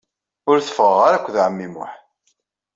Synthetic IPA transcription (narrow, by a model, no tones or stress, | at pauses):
ʊɾθə̥fəʁːaɾækʷːðʕəmːimʊ̰ħ